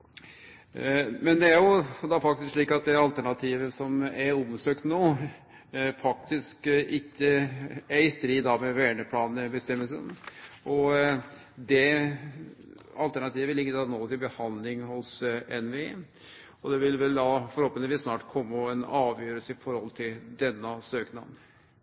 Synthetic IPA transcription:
mɛnd̪ɛæɾjʊd̪ɑfɑk̚t̪ɪskʂɭiːkɑt̪̚d̪ɛɑlt̪ʰæɳɑt̪ʰiːʋəsɔmæɾɔmsøːkt̪noː | fɑk̚t̪ʰɪskʔɪkːəæɾɪst̪ɾiːd̪d̪ɑmɛʋæːɳəpʰlɑːnəbəst̪ɛmːəlsə̰nɔ | d̪ɛ | ɑ̰lt̪æɳɑt̪ʰiːʋəʋɪlɪɡːəd̪ɑnoːt̪ɪlbəhɑnd̪lɪŋhʊsɛnʋeː | ɔd̪ɛʋɪlʋɛld̪ɑfɔɾhoːpəɪʋiːsnɑːʈkʰɔmːəɔɛnɑːʋjøːɾəlsəɪfɔɾhɔlt̪ʰɪld̪ɛnːəsøːknɑd̪n

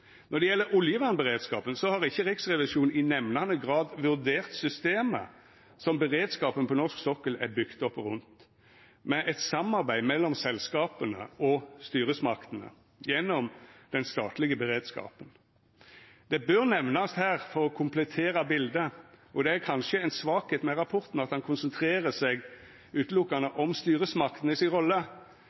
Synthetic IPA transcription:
nɔʁd̪ɛjɛlːəɾʊljəʋɑnbəʁeːd̪skɑːpənsɔhɑʁɪçːəʁɪksʁɛʋɪʂuːn̩ɪnɛʋnɑnəɡʁɑːd̪ʋʉʁd̪eːʁt̪sʏst̪eːmə̰ | sɔmbəʁeːd̪skɑːpənpʰɔnɔʁsksɔkːəlæ̰bʏkt̪ɔpːʁʉnt̪ | mɛʔɛt̪sɑmɑʁbæɪmɛlːɔmsɛlskɑːpənə̰ɔst̪yːʁəsmɑkt̪ənə̰ | jɛnːɔmd̪̥ɛnst̪ɑːt̪lɪɡəbəʁeːd̪skɑ̰ːpən | d̪̥ɛbøʁnɛʋnɑst̪hæːʁfɔɾɔkʰʊmplɛt̪ʰeːɾɑbɪld̪əɔd̪ɛæɾkʰɑnʃəɛnsʋɑːkheːt̪mɛʁɑpʰʊʁt̪n̩ɑt̪hɑnkʰʊnsənt̪ʰʁeːʁəsɛɡ | ʉːt̪lʊkːɑnəʔɔmst̪yːʁəsmɑkt̪nəɪsɪnʁɔlːə

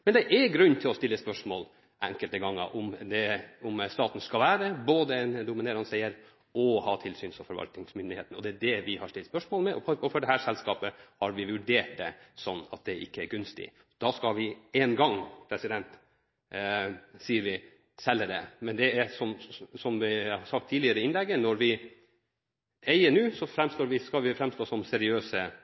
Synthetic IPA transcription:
mɛnd̪ɛʔɛɾɡɾʉnːt̪ʰɪlɔst̪ɪlːəspœʂmoːl | ʔæ̰ŋkəlt̪əɡɑŋːə̰ʔʊmd̪ɛʊmst̪ɑːt̪n̩skɑlʋæːɾəboːd̪əɛnd̪ʊmɪneːɾɑnsɛɪəɾ | ʔɔhɑːt̪ʰɪlsyːnsɔfɔɾʋɑ̰lt̪nɪŋsmʏnd̪ɪhḛːt̪n̩ɔd̪ɛæɖ̪ɛʋɪhɑʂtɪlt̪spœʂmoːlmɛʔɔɔɔfɔɖɛhæːʂɛlskɑːpəhɑɾʋɪʋʉɖeːʈ̚d̪ɛ̰sɔnːɑ̰t̪̚d̪ɛʔɪkːəæɾɡʉnst̪ɪ̰ | d̪̥ɑskɑʋɪeːnɡɑŋpʰɾɛsɪd̪ɛnt̪ | siːəɾʋɪ | sɛlːəd̪ɛmɛnd̪ɛæsɔmsɔmʋɪɑhɑsɑk̚t̪ʰːiːlɪəɾəɪnlɛɡːənɔɾʋɪ | æɪəɳʉːsɔfɾɛmst̪oːɾʋɪskɑʋɪfɾɛmst̪oːsɔmsɛɾɪøːsə

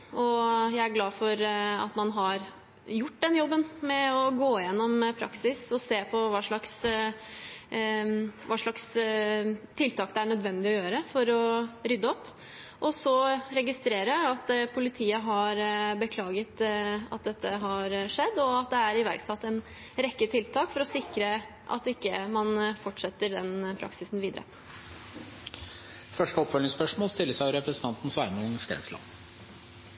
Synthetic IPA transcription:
ʔɔjæɪæɾɡlɑːfɔɾɑ̰t̪mɑnɦɑɾ | jʊʈːd̪ɛnjɔbːənmɛɔɡoːɪjɛnːɔmpʰɾɑ̰ksɪsɔseːpʰɔʋɑːʂɭɑks | ʋɑːʂɑks | t̪ʰɪlt̪ʰɑːkd̪ɛæɳœd̪ʋɛnd̪ɪɔjøːɾəfɔɾɔɾʏd̪ːəɔpː | ʔɔsɔɾɛɡɪst̪ɾeːɾəɑt̪pʰʊlɪt̪ʰiːəɦɑɾbəkʰlɑːɡət̪ɑ̰t̪̚d̪ɛt̪ːəɦɑɾʂɛd̪ːɔɑt̪d̪ɛæɾɪʋæ̰ɾksɑt̪ːɛn | ɾɛkːət̪ʰɪlt̪ʰɑːkfɔɾɔsɪkɾə | ʔɑ̰t̪ːɪkːəmɑnfɔʈʂɛt̪ːəɖɛnpʰɾʔɑ̰ksɪsnʋiːd̪əɾə̰ | fœʂʈəɔpfœlnɪŋspœʂmoːlst̪ɪlːəsæʊɾɛpɾəsən̩t̪ʰɑnt̪n̩sʋæːɾmɑŋst̪ḛːnslɑ̰ː

